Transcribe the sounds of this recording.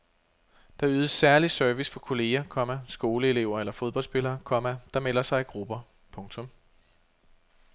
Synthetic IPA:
d̥ɑ̈yːðˠəsːæɐlisøɐʋisfɒ̽kʰo̝le̝ːɐkʰɒ̽mæsɡ̥o̝ːləe̝le̝ʊ̰ɐelɐfoð̞ˠb̥ɒ̽l̰sb̥e̝lɐːkʰɒ̽mæd̥ɑ̈melɐsɑ̈ɪiɡ̥ʁub̥ɐ | pʰɔ̽ŋt͡sʰɔ̽m

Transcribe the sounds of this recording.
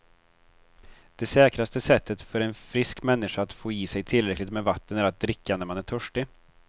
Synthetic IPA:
d̪̥ɛsɛːkɾast̪əsɛt̪ʰːət̪fœɾɛnfɾɪskmɛnːɪʂaat̪foːjiːsɛjt̪ʰɪlɾɛklɪkt̪mɛvat̪ːənæɾat̪̚d̪ɾɪkːanæɾmanæʈʰœʂʈɪ

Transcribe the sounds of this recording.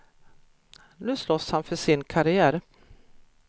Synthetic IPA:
nʉ̟ːslɔshanfœʂɪnkʰaɾɪæːɾ

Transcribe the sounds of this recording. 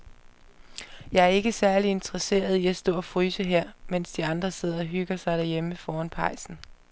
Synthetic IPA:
jɑ̈ɪæɐe̝ɡ̥əsæɐlie̝nt͡sʰʁɐse̝̰ːɐð̞ˠiæsd̥ɔ̰ːɒfʁyːsəɦeɐ̰men̰sd̥iɑ̈nd̥ʁɐse̝ð̞̰ˠɐɒ̽ɦyɡ̥ɐsɑ̈ɪɾ̥æɐjeməfɒːænpʰɑ̈ɪ̰sn̩

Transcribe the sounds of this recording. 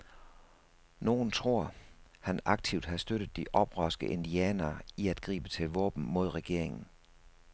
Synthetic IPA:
no̝ːn̩t͡sʰʁo̝ɐ̰hænɑ̈ɡ̥̚t͡sʰiʊ̰d̥hɑ̈sd̥øɾ̥əð̩ˠd̥iʔɒ̽b̥ʁɶsɡ̥əʔe̝nd̥iɛːnɐːiæd̥ɡ̥ʁḭːb̥ət͡sʰe̝lʋɔ̰̽ːb̥n̩mo̝ð̞̰ˠʁɛɡ̥e̝ɐ̰eŋn̩

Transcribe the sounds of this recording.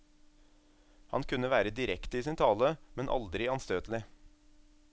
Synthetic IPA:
hɑnkʰʉnəʋæːɾəd̪ɪɾɛkt̪əiːsiːnt̪ʰɑːləmɛnʔɑ̰ld̪ɾɪɑnst̪øːt̪l̩ɪ

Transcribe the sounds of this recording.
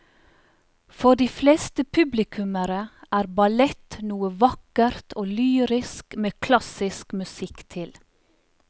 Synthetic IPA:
fɔɖiːfleːst̪əpʰʉblɪkʰʉməɾəʔæːɾbɑlɛt̪nuːəʋɑkəɾt̪ʰoːlyːɾɪskmeːkʰlɑsɪskmʉsɪkt̪ʰɪl

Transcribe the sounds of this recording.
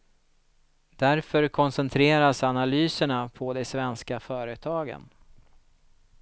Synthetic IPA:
d̪æɾfœɾkʰɔnsɛnt̪ʰɾeːɾasanalyːsəɳapʰɔd̪ɛsvɛnskafœːɾət̪ʰɑːɡə̰n

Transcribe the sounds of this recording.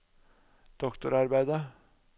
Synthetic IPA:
d̪̥ɔkt̪ʊɾɑɾbæɪd̪ə

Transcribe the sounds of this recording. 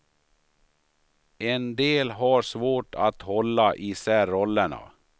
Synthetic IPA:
ɛnd̪eːlɦaɾʂvoːʈʰat̪hɔlːaʔɪsæːɾɔlːəɳa̰

